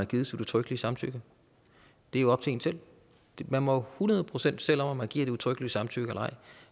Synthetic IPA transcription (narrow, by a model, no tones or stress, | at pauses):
næɡ̥iːð̞ˠsodut͡sʰʁœɡ̥əliəsɑ̈mt͡sʰyɡ̥ɐ | d̥e̝æjɒ̽b̥t͡sʰe̝ːŋn̩t͡sʰe̝l̥ | mænmɒhunɐð̞ˠpʰʁo̝sen̰d̥sel̰ɒ̽m̰æmænɡ̥ḭɐ̰d̥e̝ut͡sʰʁœɡ̥əliəsɑ̈mt͡sʰyɡ̥ɒlɑ̈ɪ̰